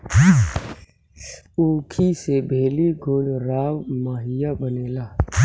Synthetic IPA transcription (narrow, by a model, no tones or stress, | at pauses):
uːkʰisebʱeːliɡʱʊlɾaːwmaːɦɪjabəneːlaː